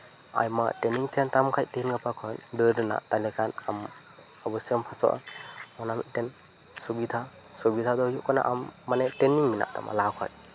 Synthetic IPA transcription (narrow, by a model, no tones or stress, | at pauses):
a̰jma̰tɾeniŋtʰentamkʰajtenɡapʰakʰɔndɯdɯna̰talikʰanam | abusempʰasɔ̰ʔa̰ɔnamḭtten | subid̪ʱa | subid̪ʰʱadɔjukɔna̰ʔamːanetɾeniŋmina̰ʔta̰mʔa̰lakʰɔ̰j